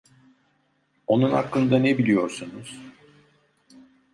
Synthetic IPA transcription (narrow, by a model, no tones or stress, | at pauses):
o̞nuna̰klˠɯnd̪anebilʲijo̞ɾsunuz̥